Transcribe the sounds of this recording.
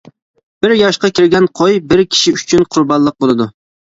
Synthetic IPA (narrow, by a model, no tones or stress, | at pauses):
b̥ɪɾjɑʃqɑkʲʰiɾɡʲɛnqʰojbɪɾkʲʰi̥ʃiyt͡ʃʰynqʰʊɾbɑnlˠəq̚bolˠɨd̪u